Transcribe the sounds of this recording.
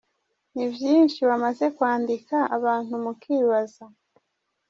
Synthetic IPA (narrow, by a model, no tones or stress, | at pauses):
nibjiːnʃiβamaze̞kwaːndikaaβaːn̥humukiːβaza